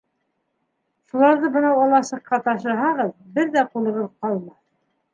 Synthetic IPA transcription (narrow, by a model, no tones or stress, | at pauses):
ʃulˠɑɾðɤbɤ̆nɑwɑlˠɑsɤ̆qːɑt̪ɑʃɤ̆ɦɑʁɤðbɘɾðæqulˠɤ̆ʁɤðqɑlˠmɑ